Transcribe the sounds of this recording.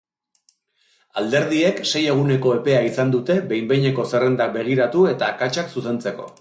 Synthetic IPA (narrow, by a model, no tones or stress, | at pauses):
ald̪e̞ɾð̞ie̞kse̞je̞ɣ̞une̞ko̞e̞pe̞aisand̪ut̪e̞be̞jmbe̞jɲe̞ko̞se̞re̞nd̪ak̚be̞ɣ̞iɾat̪ue̞t̪aːkat͡ʃaksuse̞nt͡se̞ko̞̰